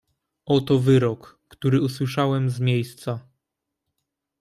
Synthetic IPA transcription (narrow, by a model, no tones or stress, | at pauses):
ɔt̪ɔvɘɾɔkːt̪uɾɘuswɘʂawɛmzmʲjejst̪sa